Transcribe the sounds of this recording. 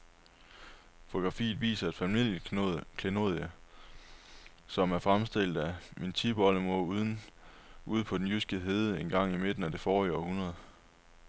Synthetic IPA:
fo̝oɡ̥ʁɑ̈fḭːð̩ˠʋḭːsɐæd̥fæmil̰jəkʰleno̝ðˠjæ | sɒ̽mæɐfʁamsd̥e̝l̰d̥æmint͡sʰib̥ɒləmouðˠn | uð̞̰ˠpʰɒ̽d̥en̩jysɡ̥əɦe̝ːð̞ˠəe̝nɡ̥ɑ̈ŋ̰ime̝d̥n̩æd̥e̝fɒːiɒhunʁɐð̩ˠ

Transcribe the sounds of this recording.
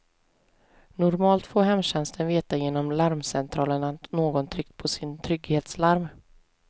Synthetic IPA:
nʊɾmɑːlt̪foːɾɦɛmɕɛnst̪ʰənveːt̪ajeːnɔmlaɾmsɛnt̪ʰɾɑːləɳanoːɡɔnt̪ʰɾʏk̚t̪̚pʰɔsɪnt̪ʰɾʏɡheːt̪slaɾm

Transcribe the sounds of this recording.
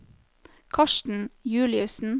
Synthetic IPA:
kʰɑʃʈn̩jʉːlɪʉsn̩

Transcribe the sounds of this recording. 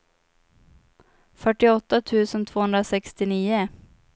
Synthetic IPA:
fœʈːɪɔt̪ːat̪ʰʉ̟ːsənt̪ʰvoːhɵnd̪ɾasɛkst̪ɪniːə

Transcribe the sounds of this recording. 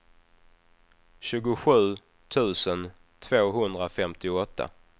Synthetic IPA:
ɕʉ̟ːɡʊɧʉ̟ː | t̪ʰʉ̟ːsən | t̪ʰv̥oːɦɵnd̪ɾafɛmt̪ɪɔt̪ʰːa̰

